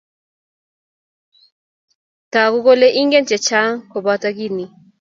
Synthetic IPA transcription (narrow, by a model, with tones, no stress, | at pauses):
ta˨ku˦kɔ˦lɛ˦ʔi˦ŋɡɛ˦nt͡ʃɛ˨t͡ʃa˦ŋkɔ˨ba˦ta˦ki˦ni˨